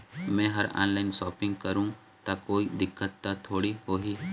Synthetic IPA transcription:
mɛ̃ːɦɐɾa̰ːnlaːɪnsɔːpɪ̃ŋɡkɐɾũ | t̪akoːid̪ɪkːət̪ːat̪ʰoːɽihoːɦiː

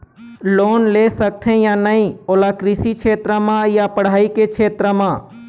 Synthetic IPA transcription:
loːnlesək̚t̪ʰẽjanəĩoːlakɾɪsikt͡ʃʰeːt̪ɾəmãjapəɽ̤aːikekʰeːt̪ɾəmãː

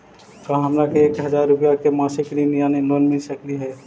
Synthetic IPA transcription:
kaɦɐmɾakeeːkɦɐzaːɾːʊpjakemaːsɪklinjaːneloːnmɪlsɐkliɦɛː

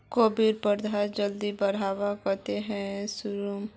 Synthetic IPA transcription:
koːbiɾpəɾd̪ʱad͡ʒəld̪ibɐɽ̤aːʋakəɾt̪eɦɛ̃sʊɾum

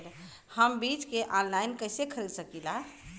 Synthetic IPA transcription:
l | həmbit͡ʃkeʔãnlajnkəsekʰəɾid̪səkila

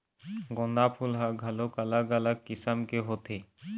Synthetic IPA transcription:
ɡõnd̪apʰulɦaɡʱɐlokələɡələɡ̚kisəmkeɦot̪ʰe

